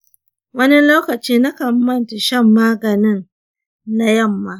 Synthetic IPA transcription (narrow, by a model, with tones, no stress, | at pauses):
wɐ˦nɪ˦lɐ˦wkɐ˨t͡ʃiː˦na˦kɐ˨˦mmɐ˦nta˨ʃɐ˦˨mːaː˦ɡɐ˨nɪ˦n | na˨jɐ˦˨mːaː˦